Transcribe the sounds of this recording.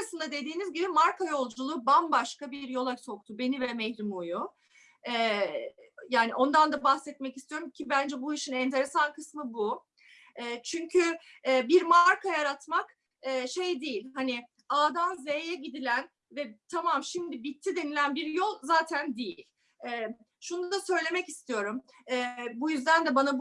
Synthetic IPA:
asɯnd̪ad̪e̞d̪iːnizɟibimaɾkʰajo̞lˠd͡ʒulˠuːbanbaʃkabiɾjo̞lˠaso̞k̚t̪ʰube̞nivɛmɛhɾimoju | ɛː | jaːniʔo̞nd̪and̪abahsɛt̪̚mɛcist̪ijo̞ɾumcʰibænd͡ʒɛbuiʃinɛnt̪ʰe̞ɾe̞sankʰɯsmɯbu | ɛːt͡ʃʰyɲcʰy | ɛːbiɾmaɾkʰajaɾat̪mak | ɛːʃejd̪ejilʲhanɪ | aːd̪anzejɛɟid̪ilʲæn | vɛt̪ʰamamʃimd̪ibit̪ʰːid̪e̞nilʲænbiɾjo̞lˠzaːt̪ʰænd̪ejilʲ | ɛː | ʃunudd̪asø̞jlʲe̞mɛcist̪ʰijo̞ɾum | ɛːbujyzd̪ænd̪ɛbanab

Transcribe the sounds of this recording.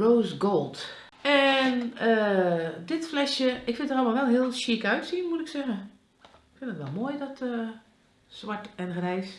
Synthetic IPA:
roːsɡoːlˠt | ɛnədɪtflɛʃjəʔɪkfɪntərɔlˠmaʋɛlˠɦɪəlˠʃikœɥtsiənmutɪksɛɣə | ɪkfɪndətʋɛlˠmoːjdɔtə | sʋaɹtɛnxrɛjs

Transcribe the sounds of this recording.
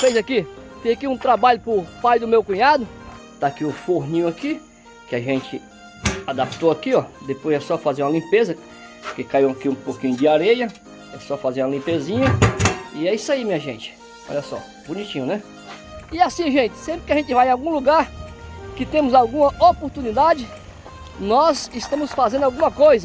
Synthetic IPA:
fejzakifezakiũt̪ɾabaʎʊpʊpajd̪ʊmewkũɲad̪ʊt̪aːkiʊfoɦnĩɲʊaki | kɪaʒẽt͡ʃɪ | ad̪apt̪oakiɔd̪epojzɛsɔfazeũɐlĩpezɐ | pʊkekaiwakiũpokĩɲʊd͡ʒɪaɾejɐ | ɛsɔfazeũɐlĩpezĩɲɐɪɛisaimĩɲɐʒẽnt͡ʃɪ̥ | ɔ̰ʎɐsɔ̰ | bũnit͡ʃĩɲʊnɛ | ɪasĩʒẽt͡ʃɪ̥sẽmpɾɪkɪaʒẽnt͡ʃɪvajẽawɡũluɡaɾkɪt̪ẽmʊzawɡũmɐʔopoɾt̪unid̪ad͡ʒɪ | nɔzɪst̪ɐ̃mʊsfazẽnd̪awɡũmɐkojzɐ

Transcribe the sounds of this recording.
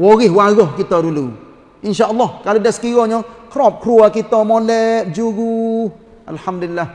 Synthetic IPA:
wɔɣewaɣɔkitɔɾulow | inʃalːakaludɛskiɣɔɲɔkɾɔp̚kɾuakitɔmɔlɛd͡ʒuɡu | a̰lħamdlilːa

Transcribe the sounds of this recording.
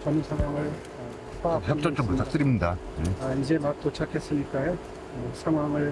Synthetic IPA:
t͡ɕʌnusʰaŋwaŋɯɭ | paçjʌt͡ɕ͈ʌt͡ɕ͈ʌmutʰak̚t͈ɯɾimɲida | eaid͡ʑemak̚t̪ot͡ɕʰakʰesinikaɦe | sʰaŋwaŋɯɭ

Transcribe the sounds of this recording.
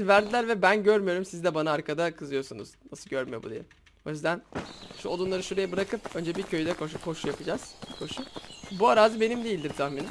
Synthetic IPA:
væɾd̪ilʲæɾvɛbænɟøɾmyjo̞ɾumsizd̪ɛbanaːɾkʰad̪akʰɯzɯjo̞sunṵz̥nasɯlˠɟøɾmyjo̞bud̪ḭjɛ | o̞jyzd̪ænʃuod̪ˠunˠaɾɯʃuɾejabɯɾakɯp̚ø̞nd͡ʒɛbiɾcʰøjyd̪ɛkʰoʃuhʰo̞ʃujapʰɯd͡ʒaz̥kʰo̞ʃubuaɾaːzɯbe̞nimd̪eilʲd̪iɾt̪ʰaxminʲɛ

